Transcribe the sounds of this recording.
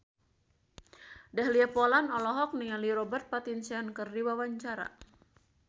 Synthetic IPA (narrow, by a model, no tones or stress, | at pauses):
dahliapɔlanɔlɔɦɔk̚niŋaliɾɔbərt̪̚pat̪insiankɨrdiwawaɲt͡ʃaɾa̰